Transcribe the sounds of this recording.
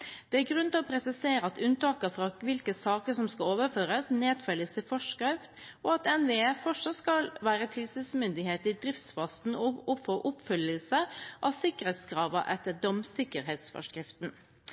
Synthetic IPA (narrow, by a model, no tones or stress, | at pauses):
d̪̥ɛæɾɡɾʉnt̪ɪlɔpʰɾɛsɪseːɾəɑt̪ʉnt̪ɑːkəfɾɑʋɪlkəsɑːkəsɔmskɑloːʋəɾføːɾəsneːd̪fœljəst̪ɪfɔʂkɾɪft̪ | ɔɑt̪ɛnʋeɛfɔʂɔskɑlʋæːɾət̪ʰɪlsismʏnd̪ɪheːt̪ɪd̪ɾɪft̪sfɑst̪n̩ɔʊfoʔʊpfʏlːəlsəʔɑ̰ʋsɪkːəɾɛt̪skɾɑːʋəʔɛt̪ːəɖ̪ɔmsɪkːəɾɦeːt̪sfɔ̰ʂkɾɪft̪n̩